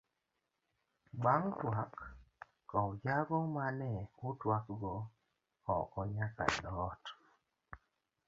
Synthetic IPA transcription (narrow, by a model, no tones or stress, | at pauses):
ɡ͡baŋtwakː | ɔwd͡ʒaɡɔmanɛutwakɡɔ | ɔ̰kɔɲaka̰dɔt